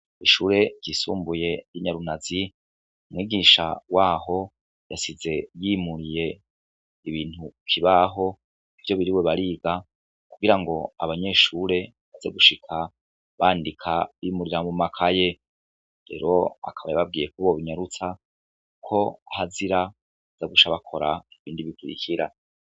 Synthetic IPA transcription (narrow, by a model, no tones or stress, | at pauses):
iʃuːɾe̞ɟiːsuːmbuje̞jiɲaɾunazi | umŋwiːɡiʃa̰waːɦo̞ | jasize̞jimuɾije̞ | iβiːn̥hukʰiβaɦo̞ | ivjo̞βiɾiweβaɾiːɡa | kuɡiɾaŋɡo̞a̰βaɲe̞ʃuːɾe̞ | βazeɡuʃikʰa | βaːndikʰaβiːmuɾiɾamumakʰaje̞ | ɾe̞̰ːɾo̞a̰kʰaβajaβab̚ɡiːje̞kuβoβiɲaɾut͡sa | ukʰo̞ahaziɾa | zaɡuʃaβakʰo̞ɾaiβiːndiβikuɾḭkiɾa̰